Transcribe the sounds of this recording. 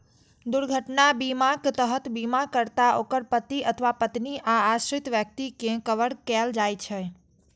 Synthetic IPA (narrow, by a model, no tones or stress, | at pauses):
d̪ʊɾɡʱəʈnabimãkt̪əɦət̪bimakəɾt̪aʔokəɾpət̪iət̪ʰəʋapət̪niʔaːʃɾɪt̪ʋjək̚t̪ikẽkəʋəɽkeld͡ʒajt͡ʃʰe